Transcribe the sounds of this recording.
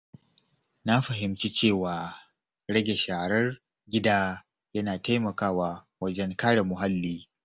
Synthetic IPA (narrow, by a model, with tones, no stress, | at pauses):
na˦ɸɐ˨ɦɪ˨mt͡ʃi˦t͡ʃeː˦˨waː˨ | ɽɐ˦ɡʲe˨ʃaː˨ɾɐ˦r | ɡʲɪ˦daː˦ | jɐ˦naː˨ta˦jmɐ˨kaː˦waː˦ | wɐ˦d͡ʒɛ˦ŋkaː˦ɽe˨mʊ˨ɦa˦lːiː˦